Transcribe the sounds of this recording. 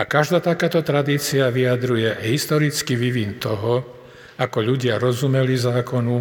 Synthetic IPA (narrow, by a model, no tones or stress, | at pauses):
akaʒd̪aːt̪akaːt̪ɔt̪ɾad̪iːt͡siaʋiad̪ɾujɛɦist̪ɔɾit͡skiʋiʋint̪ɔɦɔ | akɔʎuɟɪaɾɔzumɛlizaːkɔnu